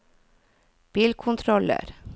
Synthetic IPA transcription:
b̥iːlkʰʊnt̪ʰɾɔlə̰ɾ

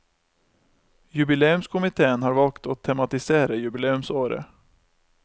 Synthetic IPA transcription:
jɵbɪleːɵmskʰʊmɪt̪ʰeːənɦaɾvɑlkt̪ɔt̪ʰːɛmat̪ɪseːɾajʉbɪleːɵmsoːɾə̰

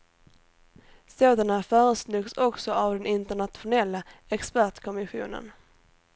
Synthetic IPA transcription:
soːd̪anafœːɾəsnʉːɡsɔksɔʔavd̪ɛnɪnt̪əɳat̪ɧʊnɛlːaɛkspæʈkʰɔmɪɧṵːnə̰n

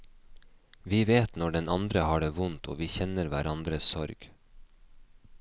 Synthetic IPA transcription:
ʋiːʋeːt̪nɔɖɛnɑnd̪ɾəhɑːɖeːʋʊnt̪ʰo̰ːʋiːçɛnəɾʋæ̰ɾʔɑnd̪ɾəssɔɾɡ̥

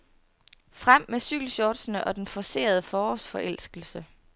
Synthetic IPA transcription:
fʁam̰mːesyɡ̥l̩ɕɒːd̥sənəʔɒ̽d̥enfɒse̝̰ːɐð̞ˠəfɒːsfɒ̽ʔel̰sɡ̥l̩sə

